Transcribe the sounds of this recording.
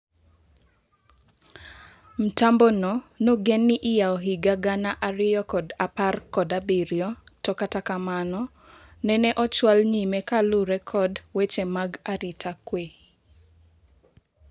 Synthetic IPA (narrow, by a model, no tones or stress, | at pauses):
m̩tambɔnɔnoɡɛnːɪʔɪjaɔɦɪɡaɡanaʔaɾɪjɔkɔdaparkɔdabiɾjɔtɔkatakamanɔ | nɛnɛʔɔt͡ʃwalɲimɛkalʊɾɛkʰɔdwet͡ʃemaɡaɾɪtʰakwe